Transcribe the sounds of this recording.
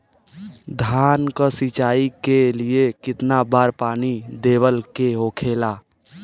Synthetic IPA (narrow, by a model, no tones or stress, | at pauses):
d̪ʱaːnkəsit͡ʃaːikeliekɪt̪nabaːɾpaːnid̪eːwəlkeɦoːkʰeːlaː